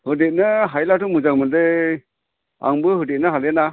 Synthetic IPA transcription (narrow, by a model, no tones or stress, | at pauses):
hɯdet̚nɯɦajlatumɯd͡ʒaŋmɯnde | a̰ŋbɯɦɯdit̚nɯɦalɛna